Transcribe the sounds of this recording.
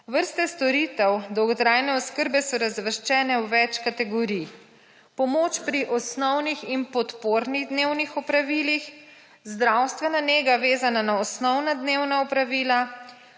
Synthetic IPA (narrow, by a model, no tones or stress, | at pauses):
ʋəɾst̪ɛst̪ɔɾit̪ɛwd̪ɔwɡɔt̪ɾajnɛɔskəɾbɛsɔɾazʋəɾʃt͡ʃɛːnɛwʋɛt͡ʃkat̪ɛɡɔɾij | pɔmoːt͡ʃpɾiʔɔsnɔwniximpɔt̪poːɾniɣd̪neːwnixɔpɾaʋiːlix | zd̪ɾawst̪ʋɛnaneːɡaʋeːzananaɔsnɔwnad̪neːwnaɔpɾaʋiːla